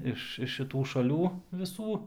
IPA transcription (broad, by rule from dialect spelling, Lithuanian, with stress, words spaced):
ˈɪʃ ɪʃ ʃʲɪˈtuː ʃɐˈlʲuː ʋʲɪˈsuː